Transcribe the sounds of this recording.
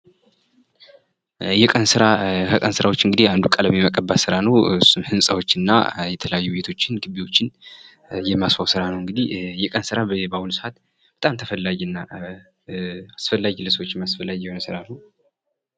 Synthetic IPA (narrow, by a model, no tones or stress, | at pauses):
jɛkʼənsɨɾakʰəkʼənsɨɾawot͡ʃːɨŋɡɨd̪ihand̪ukʼələmiməkʼəbːasɨɾanəwɨsːumhɨnsʼəwo̞t͡ʃːɨnːa̰jɛt̪ʰələjajːube̞t̪ʰo̞t͡ʃːɪnɡɨβiwo̞t͡ʃːɪn | jɛmːasfawsɨɾanəwɨŋɡɨd̪ihjɛkʼənsɨɾabawulsɨat̪ | b̥ət̪ʼamt̪ʰəfəlːajnːa | asfəlːaɡləsəwo̞t͡ʃːmasfəlːaɡjɛho̞nəsɨɾanəw